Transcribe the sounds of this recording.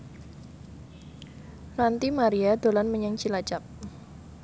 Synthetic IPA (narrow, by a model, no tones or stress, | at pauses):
rant̪imaɾiadolanməɲaŋt͡ʃilat͡ʃap̚